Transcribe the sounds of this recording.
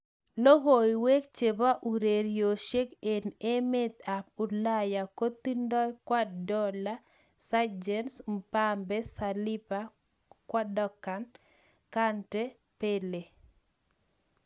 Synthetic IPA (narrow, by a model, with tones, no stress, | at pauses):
lo˦ɦo˨iwe˦k̚t͡ʃe˨ba˦ʔu˨ɾe˨ɾjoʃe˦ke˨ne˦me˦t̪a˨p̚ʊ˨laja˨ko˦t̪i˦ndɔ˦jkwa˦dɔ˦la˦ | sad͡ʒɛnsmpambɛsali˦pa | kwa˦dɔ˦kan | kantɛ | pe˦le˨